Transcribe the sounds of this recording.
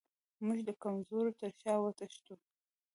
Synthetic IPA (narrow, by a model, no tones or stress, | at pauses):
muʒd̪əkamzoɾot̪əɾʃɑwət̪aʃt̪u